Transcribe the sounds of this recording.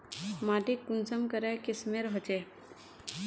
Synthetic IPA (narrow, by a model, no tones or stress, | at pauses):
maːʈikːʊnsəmkəɾekɪsmeɾɦot͡ʃe